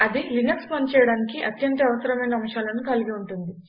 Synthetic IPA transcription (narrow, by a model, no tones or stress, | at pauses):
ɐd̪ilinɐkspɐnt͡ʃɛjɐɽaːnikiʔɐt̪jɐnt̪ɐɐʋɐsɐɾɐmɐjnɐːmʂaːlɐnukɐliɡiuɳʈund̪i